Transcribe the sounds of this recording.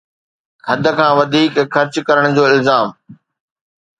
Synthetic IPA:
kʰɐd̪ʱə̆kʰãːʋɐd̪ʱiːkxɐɾt͡ɕkɐɾəɽ̃d͡ʑoːɪlzaːm

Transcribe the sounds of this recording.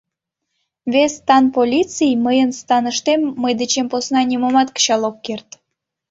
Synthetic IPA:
βest̪ɑnpolʲit͡sijməjənst̪ɑnəʃt̪emːəjd̪et͡ɕemposnɑnʲimomɑt̪kə̥t͡ɕɑlˠokːert̪

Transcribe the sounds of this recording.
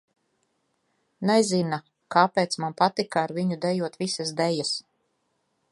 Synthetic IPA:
nɛzina | kaːpeːt̪smanpat̪ikaːɾviɲud̪ɛjuɔt̪visasd̪ɛjas

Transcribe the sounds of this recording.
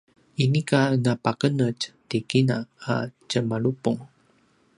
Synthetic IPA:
inikanapakənəctikinaa̰cəmaɭupuŋ

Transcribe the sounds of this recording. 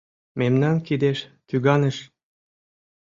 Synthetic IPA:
memnɑnkid̪eʃk̪yɣɑnə̆ʃ

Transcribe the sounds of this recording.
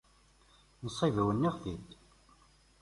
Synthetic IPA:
nəsˤːivəwənːiʁθid̪

